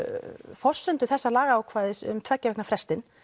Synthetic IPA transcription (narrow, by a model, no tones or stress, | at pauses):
fɔr̥sʏnt̪ʏθɛsːalaːɣaaːwkʰvaːðɪsʏ̰mt̪ʰvɛcːavɛhknafɾɛst̪ɪn